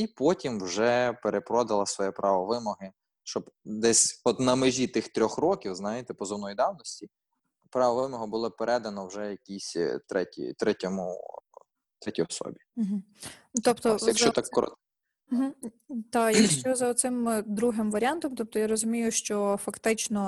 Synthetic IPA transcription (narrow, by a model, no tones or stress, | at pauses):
ipɔtʲimwʒɛpeɾepɾɔd̪ɐlˠɐsʋɔjɛpɾʔɑʋɔʋɪmɔɦɪ | ʃt͡ʃɔbd̪ɛsʲɔt̪nɐmɪʒʲit̪ɪxt̪ɾʲɔxrɔkʲiwznɑjɪt̪ɛpɔzɔwnɔjid̪ɑwnɔsʲtʲi | pɾɑʋɔʋɪmɔɦɔbʊlˠɔpeɾʔɛd̪ɐnɔwʒɛjɐkʲisʲt̪ɾɛtʲḭt̪ɾɛtʲɔmʊ | t̪ɾɛtʲiɔsɔ̰bʲim̩ɦ̩ | t̪ɔpt̪ɔjɐkkʃt͡ʃɔt̪akːɔɾɔ̰t̪̩ | ɦ̩ | t̪ajɐkʃt͡ʃɔzɐɔt̪sɪmd̪ɾuɦɪmʋɐɾʲant̪ɔmt̪ɔp̚t̪ɔjaɾɔzʊmʲijʊʃt͡ʃɔfɐkt̪ɪt͡ʃnɔ